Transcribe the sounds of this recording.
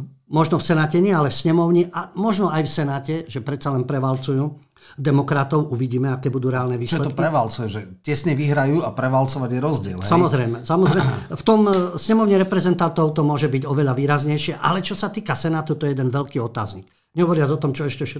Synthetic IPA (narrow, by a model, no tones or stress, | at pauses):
mɔʒnɔfsɛnaːcɛɲɪɛalɛfsɲɛmɔʊɲiʔamɔʒnɔajfsɛnaːcɛʒɛpɾɛt̪t͡salɛnpɾɛʋalt͡sujuː | d̪ɛmɔkɾat̪ɔʊʔuʋiɟiːmɛakɛːbud̪uːɾɛaːlnɛʋiːst͡ʃllɛt̪ɔkpɾɾɛʋalt͡sɔjɛʒɛcɛsɲɛʋiɦɾajuːapɾɛʋalt͡sɔʋaɟjɛɾɔzɟɪɛ̰lɦsɛsamɔzɾɛjmɛsamɔzɾɛft̪ɔmsɲɛmɔʊɲiɾɛpɾɛzɛnt̪ant̪ɔʊt̪ɔmʊɔʒɛbiɟɔʋɛʎaʋiːɾazɲɛjʃɪɛʔa̰lɛt͡ʃɔsat̪iːkasɛnaːt̪ut̪ɔjɛjɛd̪ɛnʋɛʎkiːɔt̪a̰ːzɲik | ɲɛɦɔʋɔɾɪad͡zɔt̪ɔmt͡ʃɔɛʃcɛfʃɛ